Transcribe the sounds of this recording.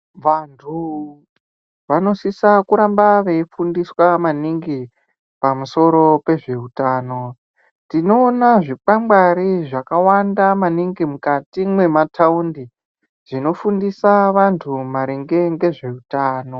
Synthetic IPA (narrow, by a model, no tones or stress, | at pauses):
ʋantʰu | ʋano̞sisakuɾambaʋe̞ifundiswamaniŋɡi | pamuso̞ɾo̞pe̞ʐe̞utaːno̞ | tino̞ːnaʐipambaɾiʐakawandamaniŋɡimukatimwe̞mataundi | ʐ̥ino̞fundisaʋantʰumaɾeŋɡe̞ŋɡe̞ʐe̞utaːno̞